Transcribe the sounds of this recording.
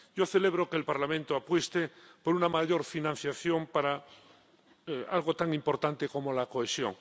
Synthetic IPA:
ɟ͡ʝo̞θele̞β̞ɾokeːlpaɾlamẽnt̪oapwest̪epo̞ɾunamaʝo̞ɾfinãn̟θjaθjo̞mpaɾa | alɣo̞t̪aŋimpo̞ɾt̪ant̪eko̞mo̞lako̞esjo̞̰ŋ

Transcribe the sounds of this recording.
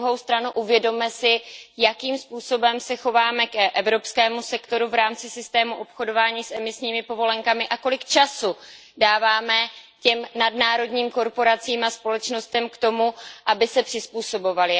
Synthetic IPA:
uɦo̞wst̪ɾanuʔuvjɛdo̞mɛsɪjakiːmspuːso̞bɛmsɛxo̞vaːmɛkʔɛvɾo̞pskɛːmusɛkt̪o̞ɾuvɾaːmt͡sɪsɪst̪ɛːmuʔo̞pxo̞do̞vaːɲiːsɛmɪsɲiːmɪpo̞vo̞lɛŋkamɪʔako̞lɪkt͡ʃasu | daːvaːmɛcɛmnadnaːɾo̞dɲiːmko̞ɾpo̞ɾat͡siːmaspo̞lɛt͡ʃno̞st̪ɛmkt̪o̞muʔabɪsɛpr̥ɪspuːso̞bo̞valɪ

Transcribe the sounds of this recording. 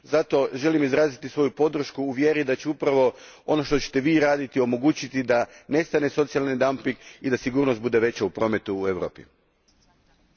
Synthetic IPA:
zat̪o̞ʒe̞limizɾaːzit̪isʋo̞jupo̞d̪ɾ̩ʃkuːʋje̞ɾid̪at͡ɕeupɾaʋo̞ | o̞no̞ʃt̪o̞t͡ɕe̥t̪e̞ʋiːɾaːd̪it̪io̞mo̞ɡuːt͡ɕit̪id̪ane̞st̪ane̞so̞t̪sialˠnid̪ampiŋɡid̪asiɡuːɾnost̪bud̪e̞ʋe̞t͡ɕaupɾo̞ːme̞t̪uːeʋɾo̞ːpḭ

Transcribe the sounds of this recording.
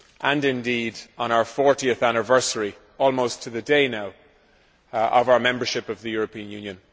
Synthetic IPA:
ʔə̃nɪ̃ndidn̩aʊə˞fɔɹɾiəθanɪvɜ˞səɹi | ɔlˠmoʊstʰəðɨdeɪnaʊ | ʔʌvaʊə˞mɛ̃mbə˞ʃɪpʌvðɨjʊɹəpʰĩə̃njʉ̃njə̃n

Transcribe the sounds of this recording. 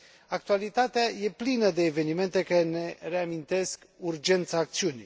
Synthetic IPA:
ak̚t̪ualit̪at̪eaje̞plinəd̪e̞ːve̞nime̞nt̪e̞kəne̞re̞amint̪e̞skurd͡ʒe̞nt̪saːkt̪siunʲi

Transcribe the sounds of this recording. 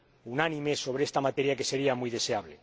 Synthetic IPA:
unanĩmeso̞β̞ɾeest̪amat̪e̞ɾjake̞se̞ɾiamujðe̞se̞aβle

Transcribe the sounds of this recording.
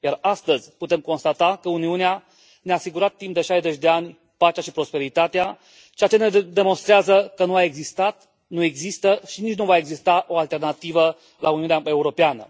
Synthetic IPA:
jarast̪əzʲput̪e̞mko̞nst̪at̪akəuniunea | neaːsiɡuɾat̪ːimpd̪e̞ʃajzet͡ʃʲd̪e̞anʲ | pat͡ʃaʃipɾo̞spe̞ɾit̪at̪ea | t͡ʃeat͡ʃe̞ned̪emo̞nst̪ɾeazəkənuae̞ɡzist̪at̪ | nue̞ɡzist̪əʃinit͡ʃnuvae̞ɡzist̪aʔo̞alt̪e̞rnat̪ivə | lʔauniuneae̞uɾo̞peanə̰

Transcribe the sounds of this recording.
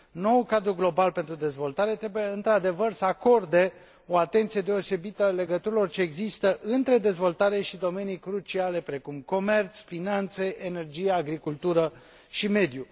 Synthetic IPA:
no̞ulkad̪ɾuɡlo̞balpe̞nt̪ɾud̪e̞zvo̞lt̪aɾe̞t̪ɾebuje̞ɨnt̪ɾad̪e̞vərsəako̞rd̪e̞ | o̞at̪e̞nt̪sije̞d̪e̞o̞se̞bit̪əle̞ɡət̪uɾilo̞rt͡ʃe̞ːɡzist̪əʔɨnt̪ɾe̞d̪e̞zvo̞lt̪aɾe̞ʃid̪o̞me̞nijkɾut͡ʃiale̞pɾe̞kumko̞me̞rt̪sfinant̪se̞ʔene̞rd͡ʒijaːɡɾikult̪uɾə | ʃime̞d̪ju

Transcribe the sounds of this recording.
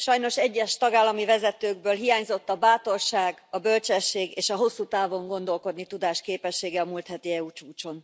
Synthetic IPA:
ʃɒjno̞ʃɛɟːɛʃt̪ɒɡaːlːɒmivɛzɛt̪øːɡbøːlɦijaːɲzo̞t̪ːɒbaːt̪o̞rʃaːɡɒbø̞lt͡ʃɛʃːeːɡeːʃɒɦo̞sːuːt̪aːvo̞ŋɡo̞nd̪o̞lko̞d̪nit̪ud̪aːʃkeːpɛʃːeːɡɛɒmult̪hɛt̪iɛuːt͡ʃuːt͡ʃo̞n

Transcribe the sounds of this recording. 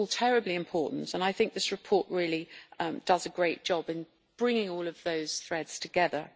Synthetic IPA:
lˠtʰɛɹɨbliɨ̃mpʰɔˑʔn̩tə̃naɪθɪ̃ŋk̚ðɪsɹɨpʰɔˑʔɹɪəlid̥ʌzəɡɹeɪt̚d̥ʒ̥ɒbɪ̃n | b̥ɹɪ̃ŋɪ̃ŋɔːlˠəvðəʊz̥θɹɛdz̥tʰəɡɛðə

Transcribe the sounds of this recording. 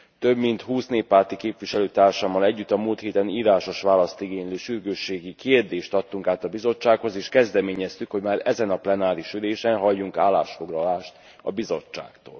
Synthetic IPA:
t̪ø̞bmint̪huːsneːpːaːrt̪ikeːpʋiʃɛløːt̪aːrʃaːmːɒlɛɟːyt̪ːɒmuːlt̪heːt̪ɛniːɾaːʃo̞ʃʋaːlɒst̪iɡeːɲliʃyrɡøːʃːeːɡikeːrd̪eːʃt̪ɒt̪ːuŋkaːt̪ɒbizo̞t͡ʃːaːkho̞zeːʃkɛzd̪ɛmeːɲɛst̪ykho̞ɟmaːɾɛzɛnɒplɛnaːɾiʃyleːʃɛnɦɒjːuŋkaːlːa̰ːʃfo̞ɡlɒlaːʃt̪ | ɒ̰bizo̞t͡ʃːa̰ːkt̪o̰ːl

